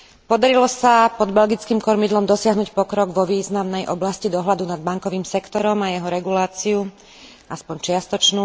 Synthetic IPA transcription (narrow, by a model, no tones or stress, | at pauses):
pɔd̪aɾilɔsapɔd̪bɛlɡit͡skiːmkɔɾmid̪lɔmd̪ɔsɪaɦnuːcpɔkɾɔɡʋɔʋiːznamnɛjʔɔblascid̪ɔɦlad̪unad̪̚baŋkɔʋiːmsɛkt̪ɔɾɔmajɛɦɔɾɛɡulaːt͡siu | ʔaspɔɲt͡ʃɪast̪ɔt͡ʃnuː